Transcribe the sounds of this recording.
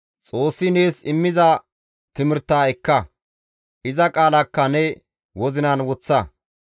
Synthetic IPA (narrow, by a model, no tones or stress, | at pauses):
t͡sʼo̞ːsːɪne̞ːsɪmːɪzɐ | t̪ɪmɪɾt̪ːaːɛkːɐ | ʔɪzɐkʼaːlɐkːɐnɛ | wɔzɪnɐnwɔt͡sːɐ